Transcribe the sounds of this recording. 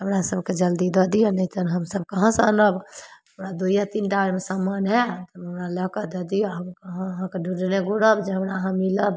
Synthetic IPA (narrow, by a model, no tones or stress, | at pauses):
ɦəmɾasəbked͡ʒəld̪id̪əd̪ijonɛit̪ənɦəmsəbkəɦãsənəbɦəmɾad̪ujat̪inʈaəɾmesamanɦɛt̪əmɦəmɾaləɦkəd̪ed̪ijoɦkəɦãɦãkeɖʱuɖneɡuɽəbd͡ʒeɦəmɾaɦãmiləb